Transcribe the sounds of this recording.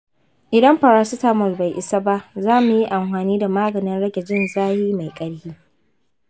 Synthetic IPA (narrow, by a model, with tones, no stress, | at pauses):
ʔɪ˨dɐ˦mɸɐ˨ɾaː˦su˦taː˦mɔ˨lba˨jʔɪ˨sa˦ba˦ʔzaː˦mu˨ji˦ʔa˨mɸaː˨niː˦da˨maː˦ɡɐ˨nɪ˦nɽɐ˦ɡʲɛ˨d͡ʒɪ˦nzaː˦jiː˦ma˨jkʼɐ˦ɽhiː˦